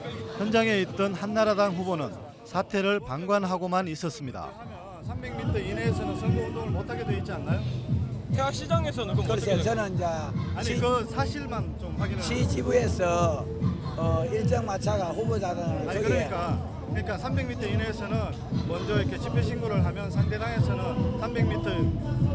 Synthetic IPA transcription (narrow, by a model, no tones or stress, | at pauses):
çjʌnd͡ʑaŋe̞it̚t͈ʌnhanːaɾadaŋɸubonɯn | sʰatʰe̞ɾɯɭpaŋɡwanɦaɡomanis͈ʌs͈ɯmɲida̰ | ʌ | sʰambe̞ŋmitʰʌineːsʰʌnɯnsʰʌŋɡodomotʰaɡedoit̚t͡ɕ͈ianːajotʰewak̚ɕ͈id͡ʑaŋesʰʌnnkkɯet͡ɕʌnɯnd͡ʑa | aɲikɯsʰaɕʰiɭmant͡ɕomɸwaɡinɕʰid͡ʑibuesʰʌː | iɭt͡ɕ͈ʌŋmat͡ɕʰaɡaɸubod͡ʑaɡɯnɯɭasʰʌɡiɲeik͈a | kɯɲik͈ansʰambe̞ŋmitʰʌineːsʰʌnɯn | mʌnd͡ʑʌɾʌkʰe̞t͡ɕipʰeɕʰinɡoɾɯɭɦamjʌnsʰaŋde̞ɡaŋe̞sʰʌnɯnsʰambe̞ŋmitʰʌ